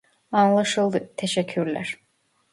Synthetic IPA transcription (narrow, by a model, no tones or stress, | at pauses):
ɑnlˠaʃɯlˠd̪ɯt̪ʰeʃɛcʰːyɾlʲæ̰ɾ̥